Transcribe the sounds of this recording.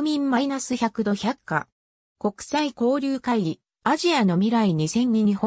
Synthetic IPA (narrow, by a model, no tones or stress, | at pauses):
mʲĩmːainasɨçakɯ̟d̪o̞çakːa̰ | ko̞kɯ̥saiko̞ːɾʲɨːkaiɾʲi | aʑiano̞mʲiɾaiɲ̟isẽ̞ɲ̟ɲʲiɲ̟ĩho